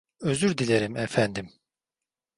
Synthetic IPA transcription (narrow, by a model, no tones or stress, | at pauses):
øzyɾd̪ilʲeɾimɛfænd̪im